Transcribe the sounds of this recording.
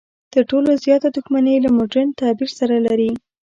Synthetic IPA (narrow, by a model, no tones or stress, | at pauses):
t̪əɾʈolozjɑt̪ad̪uxmanelamoɖɾent̪ɑbiɾsaɾalaɾi